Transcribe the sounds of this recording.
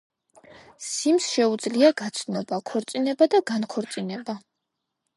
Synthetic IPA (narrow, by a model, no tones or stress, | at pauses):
simsʃɛud̪zliaɡat̪sʰnɔbakʰɔɾt̪sʼinɛbad̪aɡankʰɔɾt̪sʼinɛba